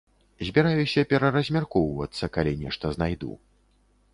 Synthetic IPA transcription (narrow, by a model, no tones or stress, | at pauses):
zʲbʲiɾajusʲɐpʲɛɾɐɾɐzʲmʲarkɔwvɐt̪sːɐkalʲinʲɛʂt̪ɐznajd̪ṵ